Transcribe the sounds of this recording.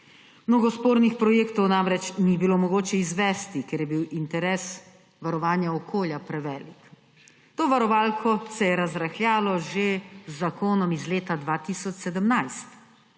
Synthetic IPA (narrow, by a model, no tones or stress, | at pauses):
mnoɡɔspoːɾnixpɾɔjeːkt̪ɔwnamɾɛt͡ʃnibilomɔɡoːt͡ʃɛizʋɛːst̪ikɛɾjɛbiwint̪ɛɾɛs | ʋaɾɔʋaːnjaɔkoːljapɾɛʋɛːlik | t̪oːʋaɾɔʋaːlkʰɔsɛjɛɾazɾaxlʲjaːlɔʒezːakoːnɔmizleːt̪ad̪ʋaːt̪isɔt͡ʃsɛd̪əmnajst̪